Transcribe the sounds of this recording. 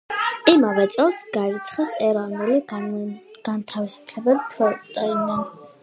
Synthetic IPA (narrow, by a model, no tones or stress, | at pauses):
imavɛt̪sʼɛlˠsɡaɾit̪sʰχɛsɛɾɔvnuli | ɡ̥ant̪ʰavisu̥pʰlɛbɛʃɔpʼt̪ʼɛinɛn